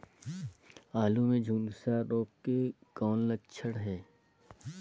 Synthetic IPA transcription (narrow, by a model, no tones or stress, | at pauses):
aːlumẽd͡ʒʱũːnsaːɾoːp̚kekɔːnlət͡ʃʰəɽɦɛː